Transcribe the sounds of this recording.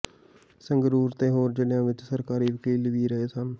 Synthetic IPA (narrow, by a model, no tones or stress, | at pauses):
səŋɡɾuːɾt̪ẽːɦoːɾd͡ʒɪnjãːʋɪt͡ʃsəɾkaːɾiːʋɪkiːlɡiːɾəɦeːsən